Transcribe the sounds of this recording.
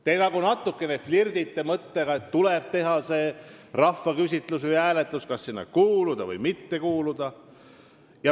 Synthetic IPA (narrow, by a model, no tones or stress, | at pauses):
t̪e̞jnɑɡunɑt̪ːˑukːˑe̞neflird̪it̪ːe̞mɤt̪ːe̞ɡ̥ɑe̞t̪ːule̞b̥̚t̪e̞ɦɑse̞ːrɑfːɑkys̬ʲit̪ˑlusvɨjæːle̞t̪ˑluskɑsːinːɑ̰kuːlud̪̥ɑvɤ̰jmit̪ːe̞kuːlud̪̥ɑ | jɑ